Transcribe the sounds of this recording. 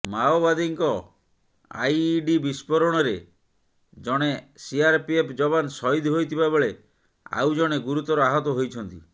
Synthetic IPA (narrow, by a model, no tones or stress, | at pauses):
maobad̪iŋkɔ | a̰jɖibispɔɾɔɽ̃ɔɾe | d͡ʒɔɽ̃esiaɾpiepʰd͡ʒɔbansɔɦid̪ʱɦojt̪ʰibabɔɭe | a̰wd͡ʒɔɽ̃eɡuɾut̪ɔɾɔaɦɔt̪ɔɦojt͡ʃʰɔnt̪i